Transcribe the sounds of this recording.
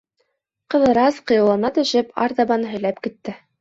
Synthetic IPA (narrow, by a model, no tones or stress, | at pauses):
qɤ̆ðɤ̆ɾɑsqɤ̆jɤ̆wlˠɑnɑt̪ɵ̆ʃɘpʰɑ̰ɾt̪ɑbɑnɦɵ̆jlæpkit̪ːɘ